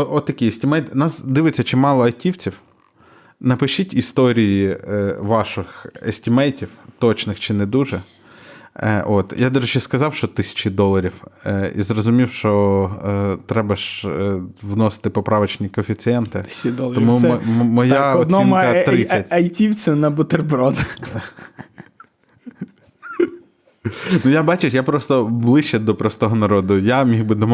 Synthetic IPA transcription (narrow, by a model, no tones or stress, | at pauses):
ɔt̪ːɐkʲiesʲtʲɪmɛjt̪nɑsd̪ɪʋɪt͡sʲːɐt͡ʃimɑlˠɔɐjtʲiwt͡sʲiw | nɐpɪʃitʲist̪ɔɾʲijiʋɑʃɪxḛsʲtʲɪmɛjtʲiwt̪ɔt͡ʃnɪxt͡ʃɪnɛd̪uʒɛ | ʔot̪jʔad̪ɐʒet͡ʃɛskɐzɑwʃt͡ʃɔt̪ɪsʲɐ̥t͡ʃid̪ɔlˠɐɾʲiwḭzɾɔzʊmʲiwʃt͡ʃɔ | t̪ɾɛbɐʃ | ʋnɔsɪ̥t̪ɪpɔpɾɑʋɐt͡ʃnʲikɔfʲitsɨɛnt̪ɪd̪ɔt̪ɔmumɔjaɔd̪ɔimkɐɾɪsʲːɐtʲɐjtʲiwt͡sʲʊnɐbʊt̪erbɾɔd̪ | nujabɑt͡ʃɪjapɾɔst̪ɔblˠɪʃt͡ʃːɛd̪ɔpɾɔst̪ɔɦɔnɐɾɔd̪ʊjamʲixbɪd̪ɔm